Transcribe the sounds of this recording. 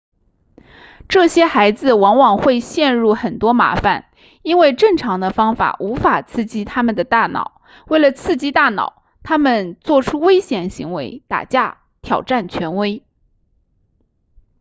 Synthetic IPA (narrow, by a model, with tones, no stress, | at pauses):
ʈ͡ʂɤ˥˩ɕjɛ˥xa˧˥ɪd͡zɹ̩˧wɑ˧˥ŋwɑ˨˩ŋxwe˥˧ɪɕjɛ˥˧nɻu˥˩xə˨˩nt̪wɔ˥ma̰˧˥fa̰˧˦n | i˥nwe˥˧ɪʈ͡ʂɤ˥˩ŋʈ͡ʂʰɑ˧˥ŋd̪ə˧fɑ˥ŋfa̰˨˩ʔu˧˥fa˨˩t͡sʰɹ̩˥˩t͡ɕi˥t̪ʰa˥mə˨nd̪ə˩t̪a˥˩nɑ̰˨˩˦ʊ | we˥˩ɪlə˩t͡sʰɹ̩˥˩t͡ɕi˥t̪a˥˩nɑ̰˨˩˦ʊ | t̪ʰa˥mə˨nt͡swɔ˥˩ʈ͡ʂʰu˥we˥ɪɕjɛ˨˩nɕi˧˥ŋwe˧˥ɪt̪a̰˨˩t͡ɕja˥˩ | t̪ʰjɑ˨˩ʊʈ͡ʂa˥˩nt͡ɕʰɥɛ˧˥nwe˥ɪ